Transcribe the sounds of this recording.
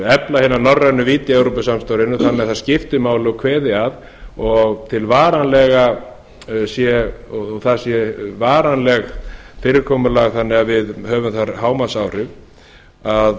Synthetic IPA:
ɛplahɪnanɔrːanːʏviːt̪jɛwɾopʏsamst̪owɾɪnʏθanːɪɣaθascɪft̪ʏmaːwlɪɔkʰvɛːðɪað | ɔɣt̪ʰɪlvaːɾanlɛɣa | sjɛɔθaðsjɛvaːɾanlɛɣfɪːɾɪɾkʰɔːmʏlaɣθanːɪɣavɪðɦœːvʏmθaɾɦaːwmasawrʏv | að

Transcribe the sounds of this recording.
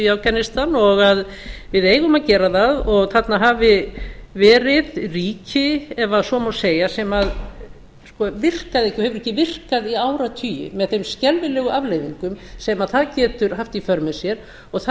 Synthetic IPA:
awkanɪst̪anɔɣað | vɪðeːjɣʏmaðcɛːɾaθaðɔɣθat̪naɦavɪvɛːɾɪðriːcɪɛvaðsɔmawseːjasɛmað | skɔvɪr̥kaðɛhcːɪhɛvʏɾɛhcːɪvɪr̥kaðiaːwɾat̪ʰyːjɪ̰mɛðθejmscɛlvɪlɛɣʏʔavlejviŋkʏmsɛmaðθaðcɛːt̪ʏɾ̥haft̪ifœɾmɛðsjɛɾ̥ | ɔɣθ

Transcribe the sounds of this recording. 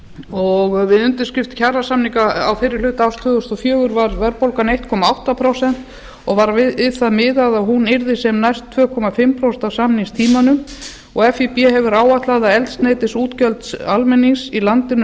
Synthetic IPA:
ɔɣvɪðʏnt̪ɪ̥scɪft̪cʰarasamniŋkaawfɪɾɪɾ̥lʏːt̪awst̪ʰʏːɣʏst̪ɔfjœːɣʏɾvaɾvɛɾpowlkanejht̪kʰɔːmaawht̪apʰɾowsɛn̥t̪ | ɔɣvaɾvɪɪðθaðmɪðaɣðaɦunɪɾðɪsɛmnajst̪ʰːvœːkʰɔmafɪmpʰɾɔwsɛnt̪awsamniŋst̪ʰiːmanʏm | ɔɣɛfipjɛɦɛvʏɾaːwat̪laɣðaɛlt̪snejt̪ɪsuːt̪cœlt̪salmɛniŋsilant̪ɪn

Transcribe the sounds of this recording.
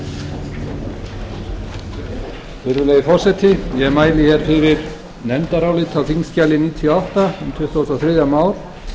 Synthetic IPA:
fɪɾʏlejɪfɔr̥sɛt̪ʰɪjɛɛɾmaːjlɪçɛɾ̥fɪɾɪɾ̥ | nɛnt̪aɾawlɪt̪ʰalθiŋscalɪniːt̪ʰiɔawht̪aʏmt̪ʰʏht̪osɔθɾɪːðjamaːwɾ̥

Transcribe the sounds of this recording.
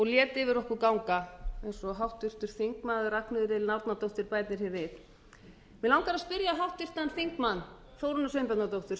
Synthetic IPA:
ɔɣljɛːt̪ɪvɪɾɔhkʏɾkawŋkaɛjnsɔɦawht̪ʏr̥t̪ʏɾ̥fiŋkmaːðʏraknʏðʏɾɪlnawɾt̪nat̪owht̪ɪɾpaːjt̪nɪɾ̥çɛɾvɪθ | mɛðlawŋkaɾaspɪɾjaɦawht̪ʏr̥t̪anfiŋkmanː | θowɾʏnːʏsœmpɛt̪nat̪owht̪ʏɾ̥

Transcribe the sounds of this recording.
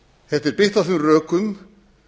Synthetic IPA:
θɛft̪ɪɾpɪht̪aθʏmrœːkʏm

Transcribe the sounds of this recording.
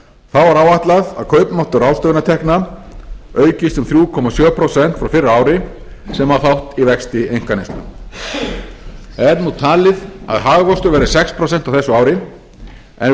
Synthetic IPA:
θawvaɾaːwaht̪laða̰ðkʰœːɥpmaht̪ʏɾaːwst̪œːɣnat̪ʰɛhkna | œːɥcɪst̪ʏmθɾjuːkʰɔmasjœːpʰɾosɛn̥t̪fɾawfɪrːaaːwɾɪ | sɛmaθawht̪ivɛkst̪ɪejŋ̥kanɪst̪ʏ̰ | ɛɾnut̪ʰaːlɪða̰ðɦaːɣɣɔst̪ʏɾvɛɾðɪsɛkspʰɾɔsɛn̥t̪awθɛsːʏaːwɾɪ | ɛ̰n

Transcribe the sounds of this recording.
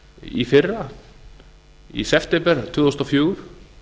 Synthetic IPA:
ḭfɪra | ḭsɛft̪ʰɛmpɛɾt̪ʰuːðθusnɔfjuːɾ̥

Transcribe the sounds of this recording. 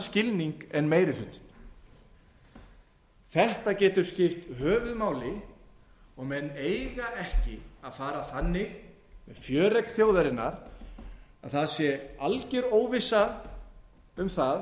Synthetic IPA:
scɪlniŋkɛnmeːjɾɪθʏnt̪n | θɛht̪acɛːt̪ʏɾ̥scɪft̪ɦœːvʏðmaːwlɪ | ɔɣmɛnːeːjɣaɛhcɪaðfaːɾaθanːɪɣ | mɛðfjœːɾɛk̪θjoːwðɛɾɪnːa̰ɾ | a̰ðθaðsjɛalcɛɾoːwvɪsːa | ʏmθað

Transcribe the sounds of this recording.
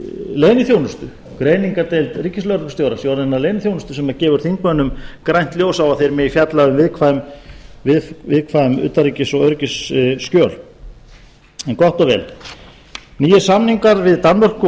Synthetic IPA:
leːjnʏθjownʏst̪ʏ | kɾeːjniŋkat̪ejlt̪ricːɪslœɾkst̪jowɾasjoːwɾɛnːaðlejnɪθjownʏst̪ʏ̥sɛmacɛːvʏɾ̥θiŋkmœnːʏmkɾajnt̪ljoːwsawaθejɾmɛðifjat̪laðʏmvɪðkʰvaʏmvɪðfvɪðkʰvaʏmʏ̰ːt̪aɾriːcɪsɔɣœɾcɪsːcœːl | ɛnkɔht̪ɔvɛ̰l | niːjɪsamniŋkaɾvɪðt̪anmar̥kʏ

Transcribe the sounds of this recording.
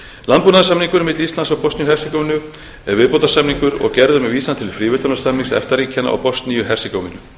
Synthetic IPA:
lanpuːnaðsamniŋkʏɾmɪt̪list̪lansawpɔst̪nijʏɦɛrsikowvnʏ | ɛɾvɪðpow̪lt̪asamniŋkʏɾɔ̰ɣcɛɾðʏmɛviːsant̪ʰɪlfɾiːvʏt̪anasamniŋsɛ̰ft̪aɾiːcʰana̰ʔa̰wpɔst̪nijʏɦɛr̥sɪkowvɪnːʏ

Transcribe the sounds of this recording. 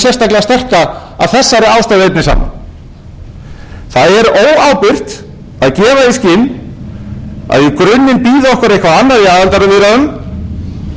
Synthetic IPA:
sjɛrst̪aklɛɣast̪ɛr̥ka | a̰ðθɛsːaɾɪaːwst̪ajðɪejp̬̚nɪsa̰ːma̰n | θaðɛɾoːwaːwpɪr̥t̪ | aðcɛːvaiscɪn | a̰ðjɪkɾʏnːɪnpiːðʏɔhkvaɾejhkvaanːaɾiaːðɛlt̪aɾavɪːɾaðʏm

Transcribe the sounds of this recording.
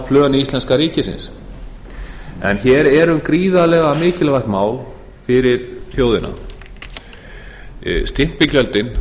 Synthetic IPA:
pʰlœːɣanɪist̪lɛnskaɾiːcɪsɪ̰ns | ɛ̰nçɛːɾɛɾʏmkɾiːðalɛɣamɪːcɪlvajht̪maːwl | fɪɾɪɾ̥θjoːwðɪna̰ | st̪ɪm̥pɪcœlt̪ɪn

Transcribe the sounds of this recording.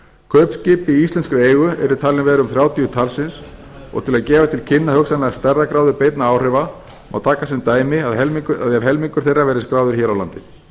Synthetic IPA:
kʰœːpscɪːpɪiist̪lɛnskɾʏeːjɣʏɛɾʏt̪ʰaːlɪnvɛːðɾʏʏmθɾjaːwt̪ijʏt̪ʰalsɪns | ɔ̰ɣt̪ʰɪlaðcɛːvat̪ʰɪlcʰɪnːahœksanlɛɣast̪aɾðakɾawðʏɾpejt̪naaːwr̥ɛva | ma̰wt̪ʰaːkasɛmt̪aːjmɪaðɛkaðavɦɛlmiŋkʏɾ̥θejrːavɛːɾɪskɾaːwðʏɾ̥çɛːɾawla̰nt̪ɪ

